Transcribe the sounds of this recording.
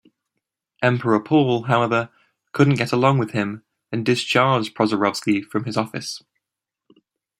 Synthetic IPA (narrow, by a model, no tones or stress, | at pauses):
ʔɛ̃mpʰəɹəpʰɔːlˠɦaʊɛvə | kʰʊdⁿn̩ɡ̥ɛtəlɒ̃ŋwɪð̥ɪ̃m | ə̃ndɪst͡ʃʰɑːd͡ʒ̥pʰɹ̥ɒzəɹɒv̥skifɹə̃mɪzɒfɪ̰s